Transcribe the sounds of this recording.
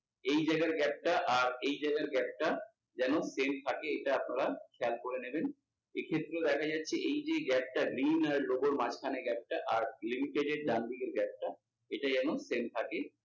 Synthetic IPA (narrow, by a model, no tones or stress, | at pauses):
ejd͡ʑajɡaɾɡɛp̚ʈaʔaɾejd͡ʑaeɡaɾɡɛp̚ʈa | d͡ʑɛnosemt̪ʰakeeʈaapnaɾakʰɛalkoɾeneben | ekʰet̪ːɾed̪ɛkʰad͡ʑatːɕʰeʔejd͡ʑeɡɛp̚ʈaɡɾinaɾloɡoɾmat͡ɕkʰaneɡɛp̚ʈaʔaɾlimiʈeɖeɖ̚ɖand̪iɡeɾɡɛp̚ʈa | eʈad͡ʑɛnosemt̪ʰake